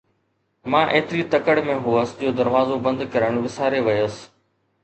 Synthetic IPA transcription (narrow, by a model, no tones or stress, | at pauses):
mãːʔeːt̪ɪɾit̪ɐkəɽmẽɦuəsd͡ʑoːd̪ɐɾʋaːzobɐ̃nd̪kɐɾəɽ̃ʋɪsaːɾeʋɐjos